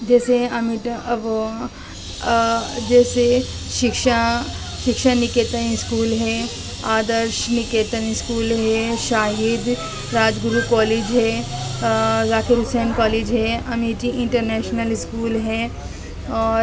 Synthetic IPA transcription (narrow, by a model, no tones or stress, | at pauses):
d͡ʒɛːseɐmɪʈ | d͡ʒɛːse | ʃɪkʃa | ʃɪkʃanɪkeːt̪ənɪskuːlɦɛ | aːd̪əɾʃnɪkeːt̪ənɪskuːlɦɛʃaːɦɪd̪ | ɾaːd͡ʒɡʊɾukɔːleːd͡ʒɦɛː | zaːkeɾʊsɛːnkɔːleːd͡ʒɦɛɐmiʈiʔɪ̃ɳʈəɾnɛːʃnəlɪskuːlɦɛ | ɔːɾ